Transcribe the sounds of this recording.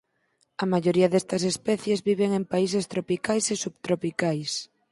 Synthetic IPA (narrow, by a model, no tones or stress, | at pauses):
ɐmaʝoɾiɐðest̪ɐsespɛθjezβiβ̞eŋempaisest̪ɾopikajsesuβt̪ɾopikajs